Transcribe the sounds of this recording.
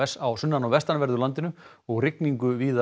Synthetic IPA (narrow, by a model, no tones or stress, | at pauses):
ɛsawsʏnːanɔvɛst̪anvɛɾðʏlant̪ɪnʏ | ɔɣrɪkniŋkʏviːða